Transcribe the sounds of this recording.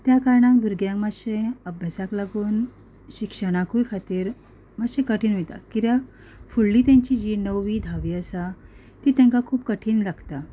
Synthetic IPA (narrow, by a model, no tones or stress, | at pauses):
t̪jakaɾɳãŋkbʱuɾɡjãŋkmaɕẽəbʱjasaklaɡuːn | ɕikʂəɽ̃akujkʰat̪iːɾ | maɕẽkəʈʰiːnʋit̪a̰kiɾja | fuɭːiːt̪jãɲt͡ɕiːd͡ʑinəwʋiːd̪ʱaʋiːəsa | t̪iːt̪ɛ̃ŋkakʰuːpkəʈʰiːnlaɡt̪a